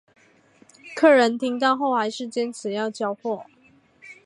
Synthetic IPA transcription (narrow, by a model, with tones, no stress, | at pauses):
kʰɤ˥˩ɻə˧˥nt̪ʰi˧˥ŋt̪ɑ˥˧ʊxo˥˩ʊxa˧˥ɪʂɻ̩˥˩t͡ɕjɛ˥nt͡sʰɹ̩˨˩jɑ˥˧ʊt͡ɕjɑ˥˧ʊpwɔ˥˩